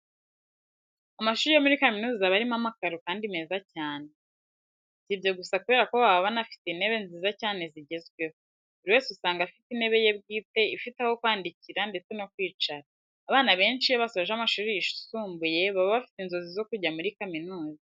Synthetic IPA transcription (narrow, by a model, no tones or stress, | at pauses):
amaʃuːɾejomuɾikaminuːzaβaɾimamakaɾukaːndime̞ːzacaːne̞ | tibjo̞ɡusakuβe̞ɾako̞βaβaβanafi̥tene̞βe̞nziːzacaːne̞ziɟe̞zɡwe | uɾiwe̞ːsusaːŋɡafitine̞βe̞je̞bɡiːte̞ifitaho̞kwaːndiciɾande̞t͡se̞no̞k̚wiːt͡ʃaɾaː | βaːnaβe̞ːnt͡ʃijaβasoaʒamaʃuːɾiiʃu̥suːmbuje̞βaβaβafi̥tinzo̞zizo̞kuɟamuɾikaminuːza